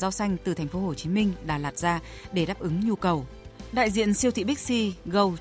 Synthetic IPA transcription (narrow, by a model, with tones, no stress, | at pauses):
zaː˧wsa˧jŋ̟t̪ɨ˨˩t̪ʰɛ˨˩ŋ̟fo˨˦ho˧˨˩t͡ɕi˨˦mï˧ŋ̟ɗa̰ː˧˩laː˨˩t̚zaː˧ | ɗe˧˩ɗaː˦˥p̚ʔɨ˨˦ŋɲu˧kə˨˩w | ɗa̰ː˧˨jzḭ˧˨ənsi˧əwt̪ʰḭ˧˨ɓi˦˥k̚si˧ɣə˨˩w